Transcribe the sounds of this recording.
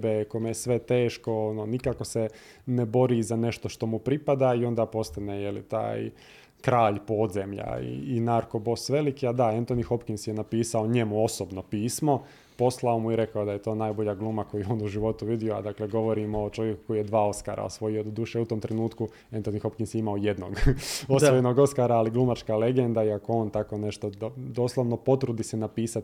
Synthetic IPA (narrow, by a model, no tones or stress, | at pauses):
bekomejesʋe̞t̪eːʃko̞ononikaːko̞se | nebo̞ɾizane̞ʃt̪oʃt̪o̞mupɾipad̪aio̞nd̪aːpo̞st̪anejelḭt̪a̰ːj | kɾaːʎpo̞ːd̪zemʎa̰ḭːnaɾko̞bo̞sʋe̞likiad̪aent̪onixo̞pkinsjenapiːsaoɲe̞muo̞sobnopiːsmo̞ | po̞slao̞muiɾe̞kaod̪aje̞t̪o̞ːnajbo̞ʎaɡlˠuːmakojijeo̞ːnuʒiʋo̞t̪uʋid̪ioa̰d̪akle̞ɡo̞ʋo̞ɾimoːt͡ʃo̞ʋjeku̥ko̞jijed̪ʋaːo̞ska̰ɾa̰o̰sʋo̞jio̞d̪uːʃeut̪o̞ːmt̪ɾenuːt̪ku | ent̪o̞nixo̞pkinsjeimaoje̞d̪no̰ɡosojenoɡo̞skaːɾaːliɡlˠumat͡ʃkale̞ɡend̪aiako̞o̞ːnt̪ako̞ne̞ʃt̪od̪o̞ːslˠoʋno̞po̞t̪ɾud̪isenapiːsat̪